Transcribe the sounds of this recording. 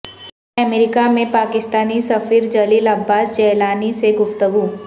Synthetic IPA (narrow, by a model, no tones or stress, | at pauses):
ɐmeɾɪkamẽpaːkɪst̪aːnisɐfiːɾd͡ʒɐliːlɐbːaːsd͡ʒɛːlaːniseɡʊft̪əɡuː